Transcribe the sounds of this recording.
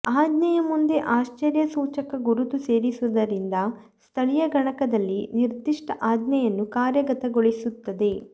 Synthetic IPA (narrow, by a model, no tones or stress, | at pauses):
aːd̪nɐjɐmund̪e̞ʔaːʃt͡ʃɐɾjɐsuːt͡ʃɐkɐɡuɾut̪use̞ːɾisuʋɐd̪ɐɾind̪ɐ | st̪ʰɐɭijɐɡɐɳɐkɐd̪ɐlːiniɾd̪iʂʈɐʔaːd̪nɐjɐnːukaːɾjɐɡɐt̪ɐɡoɭisut̪ːɐd̪e̞